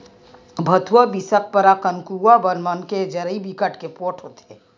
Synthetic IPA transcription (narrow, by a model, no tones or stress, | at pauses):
bʱət̪ʰwəbisək̚pəɾakənkuabənmənked͡ʒəɾibikəʈkepoːʈʰɦot̪e